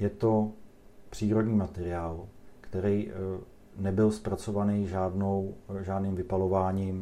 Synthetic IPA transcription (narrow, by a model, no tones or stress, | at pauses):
jɛt̪o̞ | pr̝̥iːɾo̞dɲiːmat̪ɛɾɪaːlkt̪ɛɾɛj | nɛbɪlspɾat͡so̞vanɛjʒaːdnowʒaːdniːmvɪpalo̞vaːɲɪm